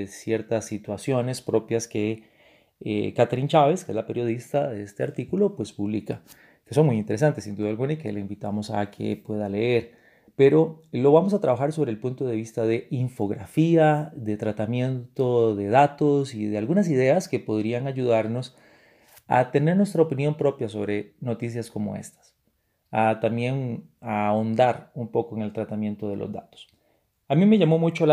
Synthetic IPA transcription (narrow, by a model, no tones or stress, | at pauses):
esje̞ɾt̪asːit̪wasjo̞ne̞spɾo̞pjaske | kat̪ɾint͡ʃaβe̞skezlape̞ɾjo̞ð̞ist̪aðeest̪eaɾt̪ikulo̞pwe̞spuβlika | ke̞so̞ŋmujint̪eɾesant̪esind̪uðalɣunaikeleimbit̪amo̞sakʰḛpwe̞ðale̞eɾ | pe̞ɾo̞lo̞βamo̞s̬at̪ɾaβaxaɾsoβɾeːlpunt̪o̞ðe̞βist̪aðe̞iɱfo̞ɣɾafiaðe̞t̪ɾat̪amje̞nt̪o̞ðe̞ðat̪osiðealɣunas̬ið̞e̞aske̞po̞ðɾiaŋaʝuðaɾno̞s | a̰t̪e̞ne̞ɾnwe̞st̪ɾaopinjo̞mpɾo̞pjaso̞̰βɾe̞no̞t̪is̬jasko̞mo̞̰e̞̰st̪ḁs | at̪ambje̞ŋ | aond̪aɾumpo̞koeŋe̞lt̪ɾat̪amjẽ̞nt̪o̞ð̞e̞lʔo̰zd̪a̰t̪o̥s | amime̞ʝamo̞mut͡ʃo